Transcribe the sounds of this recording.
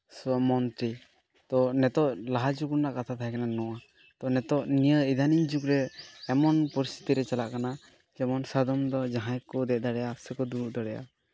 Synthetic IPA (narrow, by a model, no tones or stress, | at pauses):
smɔnt̪ɾi | t̪ɔnɛt̪ɔʔlaɦad͡ʒuɡuɾnaʔkat̪ʰat̪ʰaɦɛkananɔwa | t̪ɔnɛt̪ɔʔnijəid̪ʱaniɲd͡ʒukɾɛːmɔnpɔɾist̪ʰi̥t̪iɾɛt͡ʃalaʔkana | d͡ʒɛmɔnsad̪ɔmd̪ɔd͡ʒaɦãjkɔd̪ɛʔd̪aɾɛjasəkɔd̪uɾuʔd̪ɔɾɛja̰